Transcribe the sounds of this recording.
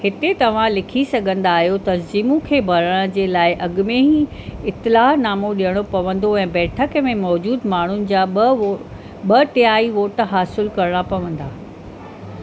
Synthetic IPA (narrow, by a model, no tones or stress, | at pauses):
hɪt̪et̪ɐʋ̤ãlɪkʰisɐɡʱə̃nd̪aːɦijot̪ɐnziːmũkʰeːbʱɐɾəɽ̃əd͡ʑeːlaːɪʔɐɡmẽɦĩ | ɪt̪ːɪlaːɦnaːmoɗijəɽ̃opɐʋə̃n̆d̪oɛ̃ːbɛːʈʰəkmẽmɔːd͡ʑuːd̪maːɳ̤ʊnɪ̆d͡ʑaː | ɓɐʈɪaːiʋoːʈɦaːsɪlkɐɾɽ̃apɐʋə̃nd̪aː